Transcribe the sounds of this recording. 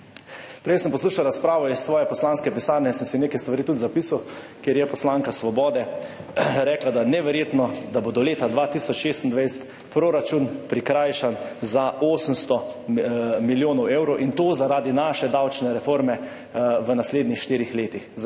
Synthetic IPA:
pɾɛjsəmpɔsluːʃawɾaspɾaːʋɔissːʋɔːjɛpɔslaːnskɛpisaːɾnɛsəmsineːkɛjst̪ʋaɾit̪ut̪zapisaw | kjeɾjɛpɔslaːŋkasʋɔbɔːd̪ɛ | ɾɛːklad̪anɛʋɛɾjeːt̪nɔd̪abod̪ɔleːt̪ad̪ʋat̪isɔt͡ʃʃeːst̪nd̪ʋajst̪ | pɾoɾat͡ʃunpɾikɾaːjʃanzaʔoːsəmst̪ɔ | miljoːnɔwewɾɔwʔint̪oːzaɾaːd̪inaʃɛd̪awt͡ʃnɛɾɛfoːɾmɛ | ʋənasleːd̪nixʃt̪iːɾixleːt̪ix

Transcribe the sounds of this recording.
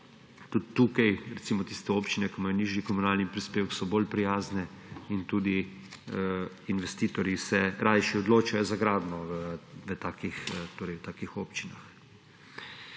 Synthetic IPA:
t̪ud̪t̪ːukajɾɛt̪siːmɔt̪iːst̪ɛoːpt͡ʃinɛkimajɔniːʒjikɔmunaːlnipɾispeːwksɔboːlpɾijaːznɛ | int̪uːd̪i | inʋɛst̪iːt̪ɔɾjisɛɾajʃɛɔd̪loːt͡ʃajɔzaɡɾaːd̪nɔʋət̪aːkixt̪oːɾɛjt̪aːkixoːpt͡ʃinax

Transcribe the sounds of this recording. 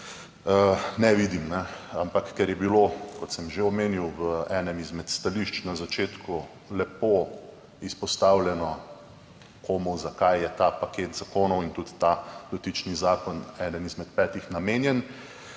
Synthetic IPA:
ənɛʋid̪imnɛampakːɛɾjɛbilokɔt̪sɛmʒeɔmeːniwʋəɛːnɛmizmɛt̪st̪aliʃt͡ʃnazat͡ʃeːt̪ku | lɛpo | ispɔst̪aːwljɛnɔ | kʰoːmuzakajjɛt̪apaket̪zakonɔwint̪ut̪ːad̪ɔt̪it͡ʃnizaːkɔnɛːd̪ənizmɛt̪̚pɛːt̪ixnameːnjɛn

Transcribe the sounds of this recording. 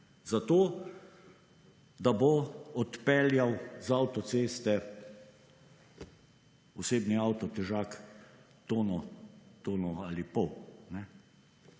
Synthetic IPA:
zat̪oː | d̪aboɔt̪pɛljawzawt̪ɔseːst̪ɛ | ɔseːbniawt̪ɔt̪ɛʒaːk | t̪oːnɔt̪oːnɔalipɔwnɛ

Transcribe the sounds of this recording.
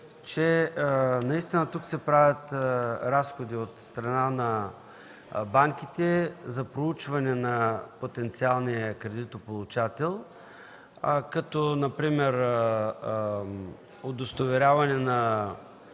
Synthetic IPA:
t͡ʃɛ | nɐist̪inɐt̪uksɛpɾavʲɐt̪ɾasxod̪iot̪st̪ɾɐnanɐ | baŋkit̪ɛzɐpɾout͡ʃvɐnɛnɐpot̪ɛnt̪sialˠnijəkɾɛd̪it̪opolˠut͡ʃat̪ɛlˠ | kɐt̪ɔnɐpɾimɛɾ | od̪ost̪ovɛɾʲavɐnɛnɐ

